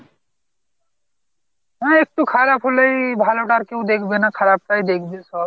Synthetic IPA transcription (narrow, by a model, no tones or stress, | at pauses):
ɦɛ̃ek̚ʈukʰaɾapʰɦolejbʱaloʈaɾkewd̪ekʰbenakʰaɾap̚ʈajd̪ekʰbesɔb̚